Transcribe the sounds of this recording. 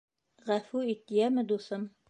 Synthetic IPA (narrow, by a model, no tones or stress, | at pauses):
ʁæfʉit̪ːijæmɘ̆d̪usɤm